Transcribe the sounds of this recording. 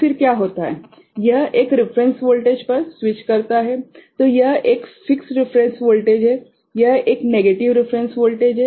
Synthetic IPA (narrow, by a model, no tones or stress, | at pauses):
fɪɾkjaɦoːt̪aɦɛ | jɐɦʔeːkɾɪfɾɛ̃nsʋoːlʈeːd͡ʒpəɾsʋɪt͡ʃkɐɾt̪aɦɛt̪ojɐɦʔeːkfɪksɾɪfɾɛ̃nsʋoːlʈeːd͡ʒɦɛ | jɐɦeːkneɡeːʈiʋɾɪfɾẽnsʋoːlʈeːd͡ʒɦɛ